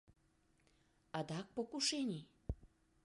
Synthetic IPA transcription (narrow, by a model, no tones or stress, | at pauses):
ɑd̪ɑk̚pokuʃenʲi